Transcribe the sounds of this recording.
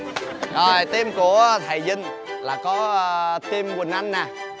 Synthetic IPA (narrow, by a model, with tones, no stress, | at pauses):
ʔəː˨˩jt̪i˧mku˧˩ət̪ʰə˨˩jzï˧ŋ | laː˨˩kɔ˨˦˧t̪i˧mwi˨˩nʔa˧jŋ̟naː˨˩